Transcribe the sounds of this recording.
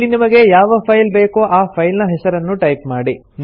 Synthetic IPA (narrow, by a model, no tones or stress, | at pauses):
inimɐɡe̞jaːʋɐpʰɐjlbe̞ːkoʔaːpʰɐjlnɐɦɛsɐɾɐnːuʈɐjp̚maːɽi | n